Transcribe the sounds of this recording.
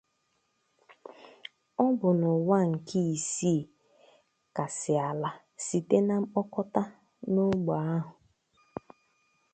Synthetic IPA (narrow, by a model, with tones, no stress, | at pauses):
ɔ˦bʊ˨nʊ˨wa˦ŋ̩˨kʰi˦i˨si˦˨ | ka˨sɪ˨a˨la˦ | si˨te˦na˦ɔ˦kɔ˦ta˦ | no˦ɡ͡ba˨a˦ɦʊ˨